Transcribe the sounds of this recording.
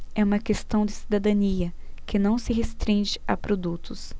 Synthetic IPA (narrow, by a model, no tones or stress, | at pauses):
ɛũmɐkest̪ɐ̃w̃d͡ʒ̪ɪsid̪ad̪ɐ̃niɐ | kɪnɐ̃w̃sɪɦest̪ɾĩʒɪa̰pɾod̪ut̪ʊs